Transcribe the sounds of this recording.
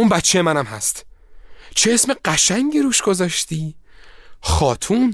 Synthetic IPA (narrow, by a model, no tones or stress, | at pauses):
unbæt̪t͡ʃʰejemænæmɦæst̪ | t͡ʃʰeesme̞ɢæʃæŋɟiɾuːʃɡo̞zɒːʃt̪iː | xɒːt̪ʰun